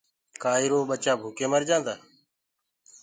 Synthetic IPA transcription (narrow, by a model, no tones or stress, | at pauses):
kaːiɾoːɓət͡ʃaːbʱuːkeːməɾd͡ʒãːnd̪aː